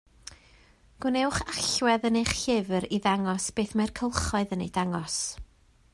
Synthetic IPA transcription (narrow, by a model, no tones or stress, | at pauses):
ɡ̥ʊnɛwχaɬwɛðənejχɬɪvɾiðaŋɔsb̥eːθmɛrkʰəlˠχɔɨðənejd̥aŋɔs